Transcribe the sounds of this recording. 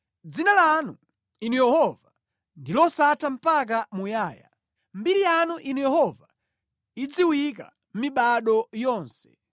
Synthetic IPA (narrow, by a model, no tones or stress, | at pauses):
d͡zinalanu | inujɛhɔva | ndilɔsatʰam̩pak̬amujaːja̰ | m̩biɾijanuʔinujɛhɔva | id͡ziwik̬a̰ | m̩miɓaɗɔjɔːnsɛ̥